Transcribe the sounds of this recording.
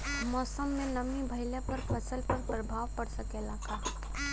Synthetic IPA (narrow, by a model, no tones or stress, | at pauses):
mɔːsəmːẽnəmibʱɐɪlepɐɾpʰɐsəlpɐɾpɾəbʱaːʋpɐɽsəkelaːkaː